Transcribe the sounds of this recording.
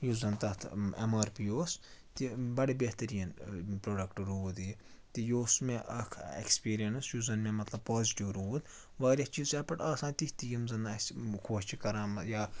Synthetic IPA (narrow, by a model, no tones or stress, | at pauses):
juzɐnt̪ɐt̪ʰemɐːɾpijoːst̪ibɐɽibeht̪ɐɾijɐnpɾoːɖɐkʈɾud̪i | t̪ijoːsmeʔɐkʰḛkspiːɾijɐnsjuzɐnmemɐt̪lɐb̚poːziʈiʋɾud̪ | ʋaːɾʲɐt͡ʃiːzt͡ʃɐpɐʈɐːsaːnt̪iht̪ijimzɐnɐskʰoːt͡ʃikɐɾaːmɐjaː